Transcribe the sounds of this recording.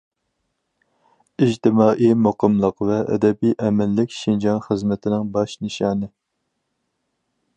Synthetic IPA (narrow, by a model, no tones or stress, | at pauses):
id͡ʒt̪ɪmɑːʔijmoqəmlˠəqvɛʔɛ̰d̪ɛbijʔɛmɪlːɪkʲʃind͡ʒɑnχəzmɪt̪ʰɪnɪŋbɑʃnɨʃɑːnɨ